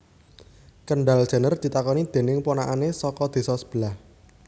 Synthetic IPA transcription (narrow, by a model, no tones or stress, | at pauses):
kəɳɖald̥ʒ̥a̤nərd̪̥i̤t̪akɔnid̪̥e̤nɪŋponaʔanesɔkɔd̪̥e̤sɔsə̥b̥əlah